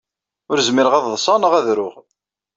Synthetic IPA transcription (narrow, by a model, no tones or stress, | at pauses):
ʊɾzmɪɾəʁɑððˤsˤɑnəʁæðɾʊʁ